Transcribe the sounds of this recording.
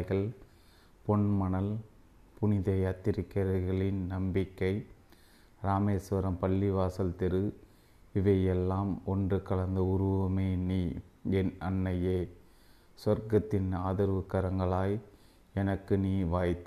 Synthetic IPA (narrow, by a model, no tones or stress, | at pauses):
ɣɐɭ | pɔɳmɐnɐl | pʊnɪðɐjɐt̪ːɪɾɪkːɐɾɐɣɐɭɪnnɐmbɪkːɐɪ | ɾaːmeːsʋɐɾɐmpɐɭːɪʋaːsɐlt̪ɛɾɯ | ɪʋɐjɛlːaːmɔndrɯkɐɭɐnd̪ɐʊɾʊʋɐmeːniːɛnɐnːɐjeː | sɐɾɡɐt̪ːɪnaːðɐɾʋɯkːɐɾɐŋɡɐɭaːj | ɛnɐkːɯniːʋaːjt̪ː